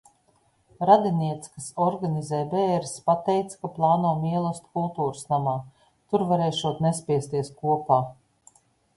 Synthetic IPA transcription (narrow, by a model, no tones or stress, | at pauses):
ɾad̪iniɛt̪skasɔɾɡanʲizɛːbɛːɾspat̪ɛjt̪sḁkaplˠaːnuɔmiɛlˠɔst̪kulˠt̪uːɾsnamaː | t̪uɾvaɾeːʃuɔt̪nespʲiɛst̪iɛskuɔpaː